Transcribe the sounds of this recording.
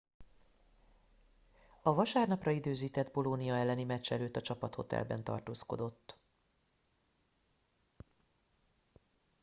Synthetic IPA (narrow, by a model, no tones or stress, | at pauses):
ɒvɒʃaːrnɒprɒid̪øːziːt̪ɛd̪bo̞lonijɒɛlːɛnimɛt͡ʃːɛløːt̪ːɒt͡ʃɒpɒt̪ho̞̰t̪ɛ̰lbɛ̰nt̪ɒ̰rt̪oːsko̞̰d̪o̞t̪ː